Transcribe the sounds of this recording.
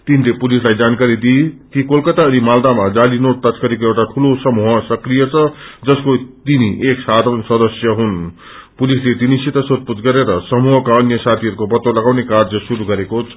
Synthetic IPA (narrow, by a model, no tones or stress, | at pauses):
t̪inilepulislajd͡zankaɾid̪it̪ikolkʌt̪aʌnimald̪amad͡zalinoʈ̚t̪ʌskaɾikoewʈaʈʰulosʌmuɦʌsʌkrijʌt͡sʰʌd͡zʌskot̪iniʔeksad̪ʱoʌnsʌd̪ʌsjʌɦun | pulislet̪inisit̪ʌsot̪̚put͡sɡʌɾeɾʌsʌmuɦʌkaʌnjʌsat̪ʰiɦʌɾukopʌt̪ːolʌɡawnekard͡zʌsuɾuɡʌɾekot͡sʰ